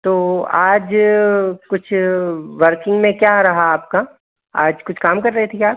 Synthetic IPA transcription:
t̪oːaːd͡ʒ | kʊt͡ʃʰʋɐɾkɪ̃ŋɡmẽkjaːɾɐɦaaːp̚ka | aːd͡ʒkʊt͡ʃʰkaːmkɐɾːɐɦet̪ʰiaːp̚

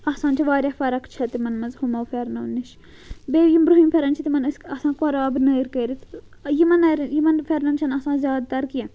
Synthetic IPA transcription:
ɐsãːnt͡ʃʰiʋaːɾʲjaːfɐɾɐkt͡ʃʰɐt̪imɐnmɐzhumɐwfeɾnɐnːiʃ | beːjimbɾuɦimfʰʲeɾɐnt͡ʃʰit̪imɐnɨskɐsãːkoɾaːbnɐjɾkeːɾit̪ | jimɐnɐɾjimɐnfʲeɾnɐnt͡ʃʰɐnɐsãːzʲjaːd̪̚t̪ɐɾkijẽ

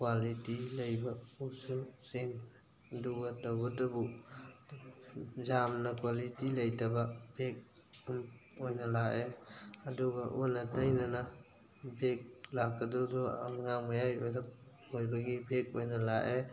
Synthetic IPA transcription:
kwalitilɐjbɐususem | ɐduɡɐtawɡɐdɐbu | zamnɐkwalitilɐjtɐbɐbʱek̚ | umojnɐlaʔeɐduɡɐʔɔnɐtajnɐna | bʱek̚lakːɐdɔdɔa̰ŋaŋmajajɔjɾɐp̚ | hojbɐɡibʱek̚ojnɐlaʔe

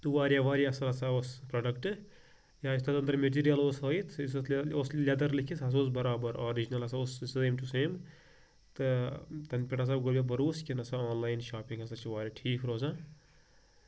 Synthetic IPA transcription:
t̪uʋaːɾʲjaʋaːɾjɐsɐlɐsaospɾɐːɖɐkʈɨ | jaːist̪ɐd̪ɐnd̪ɾɐmeʈ̬iːɾijɐloːsɦɐːit̪ʰis̬oslʲɐd̪ɐɾlikʰisɐs̬oːs̬bɐɾaːbɐɾoːɾid͡ʒinɐlɐsaoːsseːmʈuseːm | t̪ɨt̪ɐnpʲeʈas̬aːbɡolʲjabɐɾuːskʲinɐsaaːnlaːjinʃaːpĩŋɡɐsɐt͡ʃʰiʋaːɾʲɐʈʰiːkʰɾoːsã

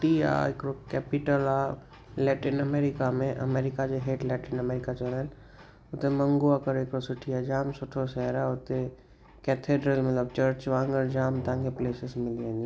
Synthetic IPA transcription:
ʈia̰ekɾokɛːpɪʈəla | lɛːʈinəmeɾɪkamẽʔɐ̰meːɾɪkad͡ʒeɦeːʈlɛːʈinəmeːɾɪkat͡ʃələn | ʊt̪emə̃ŋɡoakəɾekɾosʊʈʰijad͡ʒaːmsʊʈʰosɛɾaʊt̪e | kɛt̪ʰeːɖɾəlmɐt̪ləb̚t͡ʃəɾt͡ʃʋãːŋɡəɾd͡ʒaːmt̪ãŋkepleːsɪsmɪlẽnd̪i

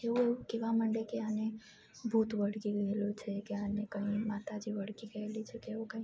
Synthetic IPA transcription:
eukeʋaməɳɖekeane | bʱut̪ʋəɽkiɡəelut͡ʃʰekeanekəɦĩmat̪ad͡ʒiʋəɽ̤kiɡəelit͡ʃʰekeʋokãĩ

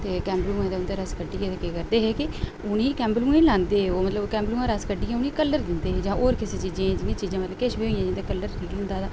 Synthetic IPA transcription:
t̪eːkɛ̃ːmblũːẽːd̪eʊnd̪eːɾəskəɖiːɛːt̪ekeːkəɾd̪eːɦeːkɪ | ʊnĩːkɛ̃ːmblũːẽːlãːnd̪eːoːmət̪ləbkɛ̃ːmblũːãːɾəskəɖiːɛ̃ːʊnĩːkəlːəɾd̪ɪnd̪eːɦd͡ʒãːʔoːɾkɪseːt͡ʃiːd͡ʒẽːd͡ʒɪnːĩːt͡ʃiːd͡ʒãːmət̪ləbkeʃbiːoːiãːd͡ʒɪ̃nd̪eːkəlːəɾɾʰiːkd̪ɪnd̪aːd̪aː

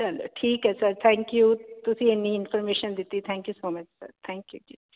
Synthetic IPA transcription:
t͡ʃɐlo̰ːʈʰiːkɦɛsɐɾt̪ʰɛ̃ːŋkjut̪ʊsienĩɪnfəɾmeːʃənd̪ɪt̪it̪ʰɛ̃ːŋkjusoːmɐt͡ʃsɐ̰ɾt̪ʰɛ̃ːŋkjud͡ʒi

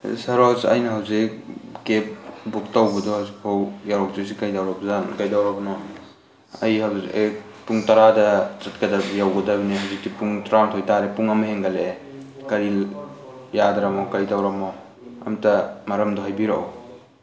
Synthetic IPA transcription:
sɐɾosɐ̰jnɐɦawzikkep̚buk̚tawbɐdɔhawzik̚pʰawjaɾɔk̚zusikɐjdawɾɐbzankɐjdawɾɐbnɔ | ɐ̰jhawzie | puŋtɐɾadɐzɐt̚kɐdɐbjawɡɐdɐbiniɦawzik̚tipuŋtaɾanɐtʰɔjtaɾepuŋɐmɐɦeŋɡɐle | kɐɾi | jadɾɐmɔkɐjdawɾɐmo | ɐ̰mtɐmɐɾɐmdoɦajbiɾaʔo̰w

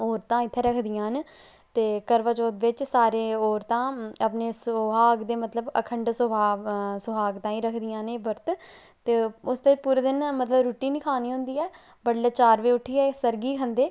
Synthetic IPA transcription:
oːɾt̪ãːɪt̪ʰːeːɾəkʰd̪ɪjãːn | t̪eːkəɾʋaːt͡ʃoːd̪ʋɪt͡ʃsaːɾeːoːɾt̪ãːəpneːsɦaːɡd̪eːmət̪ləbə̰kʰəɳɖsəbaːsʊɦaːɡt̪ãːĩːɾəkʰd̪ɪjãːneːbəɾt̪ | t̪eːʊst̪eːpuːɾeːd̪ɪnmət̪ləbɾuːʈiːnɪkʰaːniːɦʊ̃nd̪iːɛː | bəɽleːt͡ʃaːɾʋeːʊʈʰːiːɛːsəɾɡiːkʰənd̪eː

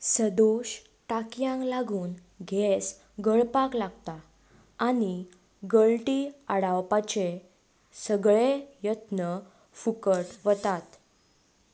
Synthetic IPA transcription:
səd̪oɕ | ʈakjãŋklaɡuːn | ɡʱɛs | ɡəɭpaklaɡt̪aː | ñi | ɡəɭlʈiaɽawpat͡ɕe | səɡɭejət̪nə | fukəʈʋət̪at̪

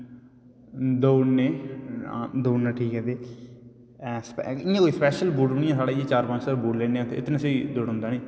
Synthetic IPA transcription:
d̪oːnḛː | d̪oːnaːʈʰiːkɦɛːd̪eː | sɪjãːkoːiːspɛːʃəlbuːʈbnĩːãsaːɽaːijeːt͡ʃaːɾpãnt͡ʃsabuːʈlẽːneãːt̪ʰeɪt̪nãːseid̪oːɽʊ̃ːnd̪aːneː

